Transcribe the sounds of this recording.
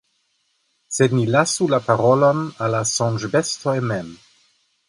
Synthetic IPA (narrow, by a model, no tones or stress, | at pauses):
sednilasulapaɾolonalasɔ̃nʒbestojmɛm